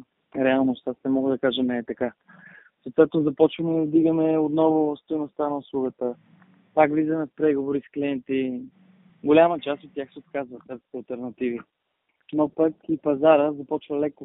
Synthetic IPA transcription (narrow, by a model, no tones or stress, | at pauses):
ɾɛalˠnost̪asnɛmɔɡəd̪ɐkaʒɛmɛt̪ɐka | sot̪vɛt̪nʊzɐpɔt͡ʃvəmɛd̪iɡəmɛot̪nɔvʊst̪ojnʊst̪anɐʊslˠuɡət̪ə | pakvlizɐmɛfpɾɛɡovoɾiskliɛnt̪i | ɡʊlʲamət͡ʃast̪ot̪t̪ːʲjaxsɛot̪kazvəsɛɾst̪ɐlˠt̪ɛɾnɐt̪ivi | nopəkipɐzaɾəzɐpɔt͡ʃvəlɛkʊ